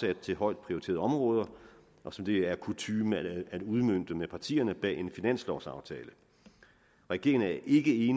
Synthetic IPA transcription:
æd̥̚t͡sʰe̝ɦɒ̽ɪ̰d̥̚pʰʁioʁie̝̰ɐð̩ˠɒ̽mʁɔ̽ːð̞ˠɐ | ʔɒ̽sɒ̽md̥e̝æɐkʰut͡sʰyːmææd̥uð̞ˠmøn̰d̥əmepʰɑ̈t͡sʰḭːɐnəb̥ɛ̰ːe̝nfinæn̰slɒːsɑ̈ʊt͡sʰɛːlə | ʁɛɡ̥e̝ɐɪŋn̩æɐʔe̝ɡ̥əe̝ːn

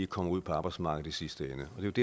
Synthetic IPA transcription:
ikʰɒ̽m̰ɐuð̰ˠpʰɒ̽ɑ̈ːb̥ɑɪ̥smɑ̈ːɡ̥ð̩ˠisisd̥əenəɒ̽d̥e̝jod̥e

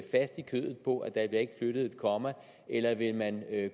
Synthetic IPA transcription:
fæsd̥ikʰø̰ðˠð̩ˠpʰɒ̽ʔæd̥ɑ̥̈lee̝ɡ̥ə̥fløɾ̥ð̞̩ˠe̝d̥̚kʰɒ̽mæ | elɐʋe̝lmæn

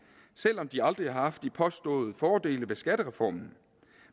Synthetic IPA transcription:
sel̰ɒ̽md̥iɑ̈ld̥ʁiɑ̈hɑ̈fd̥ːipʰɒ̽sd̥ɔ̰̽ːð̞̩ˠəfɒːd̥e̝̰ːləʋe̝sɡ̥æd̥əʁɛfɒ̰ːmn̩

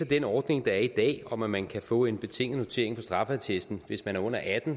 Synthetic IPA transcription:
ed̥enɒːd̥ne̝ŋd̥ɑ̈æɐid̥ɛ̰ːɒ̽mæmænkʰæfɔ̰̽ːe̝nb̥e̝t͡sʰe̝ŋ̰n̩no̝t͡sʰe̝̰ɐ̰e̝ŋpʰɒ̽sd̥ʁɑ̈fæt͡sʰesd̥n̩ʋe̝smænæɐɔ̽n̰ɐʔæd̥n̩

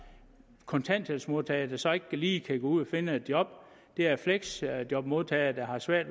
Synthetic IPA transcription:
kʰɔ̽nt͡sʰæn̰d̥ʰelsmo̝ðˠt͡sʰɛɪɐd̥æsɒ̽e̝ɡ̥̚kʰæliːkʰæɡ̥oːuð̰ˠɒfe̝nəe̝d̥jɒ̽b̥ | d̥e̝æɐfleɡ̥sd̥jɒ̽b̥mo̝ð̞ˠt͡sʰɛːɪɐd̥æhɑ̈sʋæɐ̰d̥

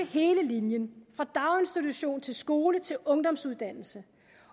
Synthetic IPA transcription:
əhe̝ːləlinjənfʁɑ̈d̥ɑ̈ʊensd̥it͡sʰuɕo̝̰ːnt͡sʰe̝lsɡ̥o̝ːlət͡sʰe̝lɔ̽ŋd̥ɒ̽msuð̞ˠd̥æn̰l̩sə

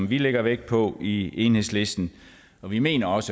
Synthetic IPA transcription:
mʋileɡ̥ɐʋeɡ̥̚pʰɒ̽ieːnhe̝̰sle̝sd̥n̩ | ɒ̽ʋime̝̰ːnɐɒ̽sə

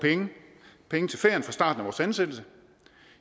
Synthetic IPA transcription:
pʰeŋəpʰeŋət͡sʰe̝lfeɐnfʁɑ̈sd̥ɑ̈ːd̥n̩æʋɒ̰ːsænsed̥l̩sə

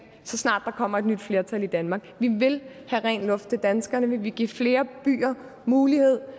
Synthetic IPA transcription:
sɒ̽snɑ̰̈ːd̥ːɑ̈kʰɒ̽m̰ɐe̝d̥nyd̥fle̝ɐt͡sʰælid̥ænmɑ̈ɡ̥ʋiʋe̝lhæʁɛ̰ːnlɔ̽fd̥̚t͡sʰe̝d̥ænsɡ̥ɐnəʋiʋeɡ̥iɐ̰fle̝ːɐb̥y̰ːɐ | muːlihe̝ð̞̰ˠ

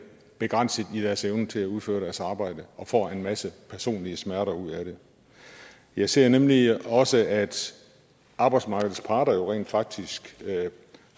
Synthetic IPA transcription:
b̥e̝ɡ̥ʁɑn̰səð̩ˠid̥æɐseʊnət͡sʰe̝læuð̞ˠfø̰ːɐɾæɐsɑ̈ːb̥ɑ̈ɪ̰d̥əɒ̽fɒ̰ːe̝nmæsəpʰæɐso̝̰ːnliəsmæɐɾɐuð̞̰ˠæɾ̥e̝ | jɑ̈ɪse̝ɐ̰nemliɒ̽səæd̥ | ʔɑ̈b̥ɑ̈ɪdsmɑ̈ːɡ̥ð̩ˠspʰɑ̈ːɾ̥ɐjo̝ʁɛ̰ːnd̥fɑ̈ɡ̥̚d̥isɡ̥

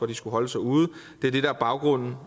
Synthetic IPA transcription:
ɒd̥isɡ̥uɦɒ̽ləsɑ̈ɪuːð̩ˠ | d̥e̝æɐd̥e̝ɾ̥ɑ̈æɐb̥ɑ̈ʊɡ̥ʁɔ̽n̰n̩

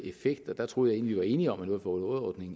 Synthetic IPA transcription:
e̝feɡ̥d̥ɒd̥æt͡sʰʁo̝ːð̩ˠjɑ̈e̝ːnliʋiʋɑ̈e̝ːniɒ̽mænoðˠfɒnɔðˠɒːd̥ne̝ŋ

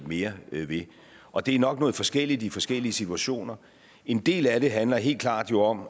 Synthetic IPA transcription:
me̝ːɐʋe̝ | ʔɒ̽d̥e̝æɐnɒ̽ɡ̥̚nɔ̽ːðˠfɒ̽sɡ̥el̰id̥ifɒ̽sɡ̥el̰iəsit͡sʰuæɕo̝̰ːnɐ | e̝nd̥e̝̰ːlæɾ̥e̝ɦænlɐɦe̝̰ːlkʰl̥ɑ̰̈ːd̥jo̝ɒ̽m

